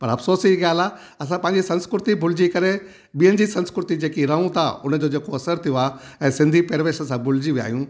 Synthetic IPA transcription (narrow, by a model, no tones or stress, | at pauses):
pɐɾɐfsoːsiiɡaːlaː | ɐs̬ãpɐ̃ɦɪ̃ɲd͡ʑisɐ̃nskɾʊt̪ibʱʊl̤ɪd͡ʑikɐɾe | ɓijənɪ̆d͡ʑisɐ̃nskɾʊt̪id͡ʑeːkiɾɐ̃ũt̪ʰaʊn̤əd͡ʑoːd͡ʑeːkoɐsəɾt̪ʰijoaː | ɛ̃ːsɪ̃nd̪ʱipeːɾʋeːʃəsãbʱʊld͡ʑiʋia̰ːɦijũ